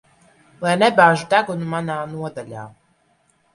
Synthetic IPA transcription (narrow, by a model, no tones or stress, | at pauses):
lajnɛbaːʒud̪aɡunumanaːnuɔd̪aʎʲa̰ː